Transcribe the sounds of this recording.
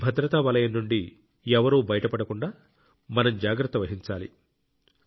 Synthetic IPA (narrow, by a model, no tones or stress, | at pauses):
bʱɐd̪ɾɐt̪ɐʋɐlɐjɐnːuɳɖi | ɛʋɐɾuːbɐjɐʈɐpɐɽɐkuɳɖaː | mɐnɐmd͡ʒaːɡɾɐt̪ːɐʋɐɦiɲt͡ʃaːlḭ